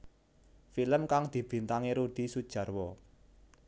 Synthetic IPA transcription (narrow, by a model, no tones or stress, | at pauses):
filəmkaŋd̪̥i̤b̥i̤nt̪aŋeɾuɖ̪̥i̤sud̥ʒ̥ä̤rwɔ